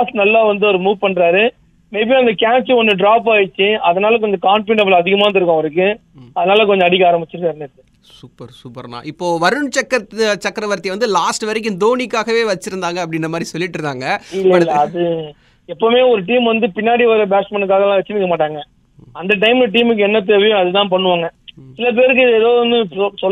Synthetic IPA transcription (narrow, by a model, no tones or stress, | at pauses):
aːsʈnɐlːaːʋɐnd̪ɯɔɾɯmuːʋpɐɳɖɾaːɾɯ | meːbiɐnd̪ɐkaːt͡ʃːɯɔnːɯ̃ɖɾaːp̬aːjɪt͡ʃːɯɐðɐnaːlɐk̬ɔɲd͡ʒɐkaːɳʈeɳʈɐblɐðɪɣɐmaːnd̪ɪɾɯkːãɐɾɯk̬ːɯ | ɐðɐnaːlɐk̬ɔɲd͡ʒɔ̃ɐɽɪkːɐaːɾɐmbɪt͡ʃːɯɾɯkːaːɾnɪtːɯ | supːɐɾsuːpːɐɾna̰ːʔɪpːoːʋɐɾɯɳt͡ʃɐkːɐt͡ʃɐkːɾɐʋɐɾt̪iʋɐnd̪ɯlaːsʈʋɐɾɪk̬ʲːɯ̃md̪oːnikːaːɣɐʋeːʋɐt͡ʃːɯɪɾɯnd̪aːŋɡɐpːɐɽɪnːɐmaːd̪ɾisɔlːɪʈːɪɾɯnd̪aːŋɡɐɪlːɐɐlːɐɐðɯ | ɛpːɐmeːɔɾɯʈ̬iːmʋɐnd̪ɯpɪnːaːɽiʋɐɾɐbaːspɐɳːɯkːaːɣɐlãːʋɛt͡ʃːɪnɪkːɐmaːʈaːŋɡɐ | ɐnd̪ɐʈ̬ɐɪmlɐʈ̬iːmɯkːɯɛnːɐt̪̬eʋɐjʊ̃ɐðɯt̪ãːpɐɳːɯʋaːŋɡɐsɪlɐp̬eːɾɯk̬ːɪðɛðoːʋɐnd̪ɯsɔ